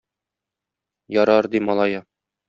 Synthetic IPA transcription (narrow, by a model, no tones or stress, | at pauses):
jɒɾɑɾd̪imɒlˠɑjɑ